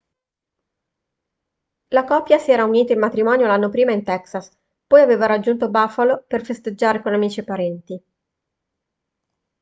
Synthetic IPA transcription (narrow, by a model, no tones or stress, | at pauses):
lakɔpːjasiɛːɾauniːt̪aimːat̪ɾimɔːnjolanːopɾiːmaint̪ɛksas | pɔjaveːvaɾad͡ʒːunt̪obafaloperfest̪ed͡ʒːaːɾekonamiːt͡ʃipaɾɛnt̪i